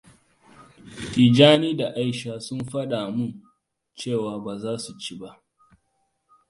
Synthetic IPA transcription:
tiː˨d͡ʒaː˦niː˦da˨ʔa˦jʃaː˦sʊ˦mɸɐ˦ɗa˨mʊ˦n | t͡ʃeː˦˨waː˨baː˨zaː˦su˨t͡ʃi˦ba˦ʔ

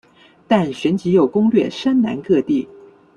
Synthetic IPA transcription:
t̪a˥˩nɕɥɛ˧˥nt͡ɕi˧˥jo˨˩ʊkʊ˥ŋlɥɛ˥˩ʂə˥nna̰˧˥nkɤ˥˧t̪i˥˩

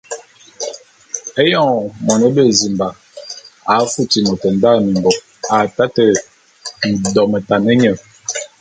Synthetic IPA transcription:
e˦jɔ˦˨ŋ˨mɔ˨nə˦bə˦˨zi˨mba˨ | a˨˦fu˦ti˨mo˨tə˨n̩˦da˦˨mi˨mbɔ˨ | a˨ta˦tə˨ | n̩˨dɔ˨mə˨ta˨nə˦ɲə˨

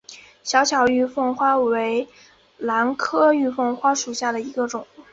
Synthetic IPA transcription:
ɕjɑ˧˥ʊt͡ɕʰjɑ˧˥ʊy˥˧fɤ˥˧ŋxwa˥we˧˥ɪ | la˧˥nkʰɤ˥y˥˧fɤ˥˧ŋxwa˥ʂu˨˩ɕja˥˩d̪ə˩i˧˥ɡə˧ʈ͡ʂʊ˨˩˦ŋ

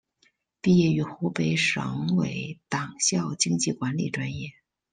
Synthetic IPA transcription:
pi˥˧jɛ˥˩y˧˥xu˧˥pe˧˥ɪʂɤ̰˧˥ŋwḛ˧˥ɪt̪ɑ˨˩ŋɕjɑ˥˩ʊt͡ɕi˥ŋt͡ɕi˥˩kwa˧˥nlḭ˨˩ʈ͡ʂwa˥njɛ˥˩

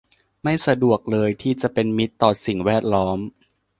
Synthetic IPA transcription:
ma˥˩jsa˧du˨˩ək̚lɤː˧jt̪ʰiː˥˩t͡ɕa˨˩ʔpe˧nmi˦˥t̪ːɔː˨˩si˨˩ŋwɛː˥˩t̪̚lɔː˦˥m

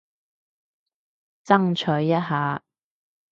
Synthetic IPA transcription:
t͡sɐ˥ŋt͡ʃʰɵ˨˥ɥːɐ˥t̚haː˨˦

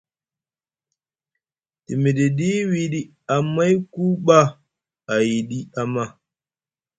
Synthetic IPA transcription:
ti˨mi˨ɗi˨ɗi˦wi˨ɗi˦ | a˨ma˦jku˦ɓa˦ | a˨ji˨ɗi˦a˦ma˦

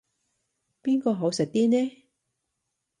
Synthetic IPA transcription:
piː˥nkɔː˧ɦo˨˥wsɪ˨k̚t̪iː˥nɛː˦˥

